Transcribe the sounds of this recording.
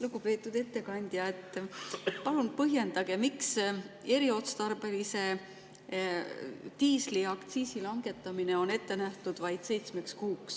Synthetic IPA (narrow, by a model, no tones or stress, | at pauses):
luɡupe̞ːt̪ːˑud̪̥e̞t̪ːe̞kɑnʲd̪̥jɑe̞t̪ːˑpɑlunpɤɦje̞nd̪̥ɑɡ̥e̞miks | e̞ɾio̞t̪st̪ɑrbe̞lise̞ | t̪iːsliɑkt̪siːsilɑŋɡ̥e̞t̪ːˑɑmineo̞ne̞t̪ːe̞næht̪ud̪̥vɑjd̪̥se̞jt̪sme̞kskuːks